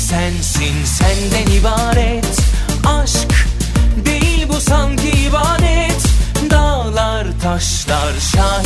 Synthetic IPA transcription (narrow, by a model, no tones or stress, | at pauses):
sænsinsɛnd̪ɛnivaɾɛt̪ʰ | ɑʃk | bilbusaŋk̪ʰivaɾɛt̪d̪alˠa | ɾt̪ʰaʃlˠaɾʃa